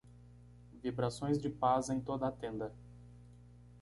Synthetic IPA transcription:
vibɾasõj̃zd͡ʒɪpazẽj̃t̪od̪ɐat̪ẽnd̪ɐ

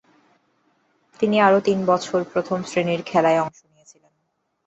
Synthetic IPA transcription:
t̪iniaɾot̪inbɔt͡ɕʰoɾpɾot̪ʰomsɾeniɾkʰɛlaeɔŋʃonijet͡ɕʰilen

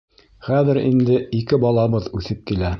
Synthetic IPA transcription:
χæðɘ̆ɾḭnd̪ɘikɘbɑlˠɑβɤðʉθɘp̚kilæ

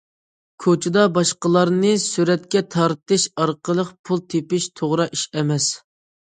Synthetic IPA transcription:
kʲʰot͡ʃʰɪd̪ɑbɑʃqəlˠɑɾnɨsyɾɛt̪kʲɛt̪ʰɑɾt̪ɨʃɑɾqəlˠəqpʰulˠt̪ʰepɪʃt̪ʰoʁɾɑʔiʃɛmɛs

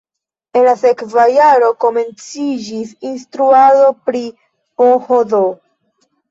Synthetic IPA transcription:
e̞nlase̞kvajaɾo̞ko̞me̞nt͡sid͡ʒisinstɾuado̞pɾi | ohodo

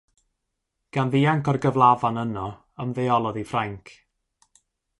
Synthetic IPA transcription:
ɡ̥anðiːaŋkɔrɡəvlˠavanənɔ | əmðejɔlˠɔðifraŋkʰ

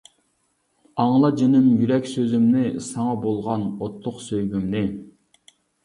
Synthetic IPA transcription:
ɑŋlˠɑd͡ʒenɪmjyɾɛkʲsøzymnɪsɑŋɑbolˠʁɑnot̪ʰːʊqsøjɡʲymnɪ

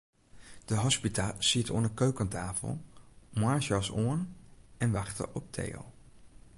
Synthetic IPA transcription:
d̥əɦɑspitasitʰɔ̰ndəkøɥkəntaːfə̰lˠmaɹʃɑsoənɛnʋɑχtə̰ʔɔp̚tʰḛjlˠ

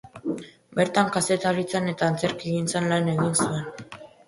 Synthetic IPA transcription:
be̞ɾt̪aŋkase̞t̪aɾit͡sane̞t̪aːnt͡se̞ɾkiɣint͡sanlane̞ɣinsue̞n

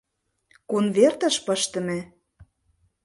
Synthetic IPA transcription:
konvert̪ə̆ʃpɤ̆ʃt̪ə̆mĕ

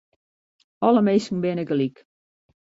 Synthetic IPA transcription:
ɔlˠəmeːsn̩bɪnɪkəlik

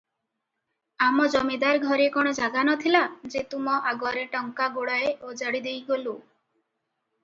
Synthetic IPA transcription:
amɔd͡ʒɔmed̪aɾɡʱɔɾekɔɽ̃ɔd͡ʒaɡanɔt̪ʰilad͡ʒet̪umɔʔaɡɔaɾeʈɔŋkaɡoɽaeʔod͡ʒaɽid̪ejɡolu

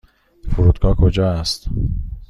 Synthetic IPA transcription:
foɾuːd̪ɡɒːkʰod͡ʒɒːæst̪

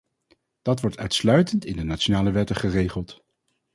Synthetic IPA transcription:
d̥ɑtʋɔɹtœ̰ɥtslœɥtəntɪndənat͡ʃonaːləʋɛtəχərejχəlˠt

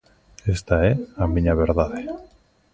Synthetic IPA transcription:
est̪aeamĩɲaβeɾðaðe

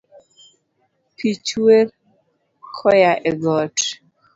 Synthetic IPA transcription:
pʰit͡ʃweɾ | kʰɔjaʔɛɡɔt

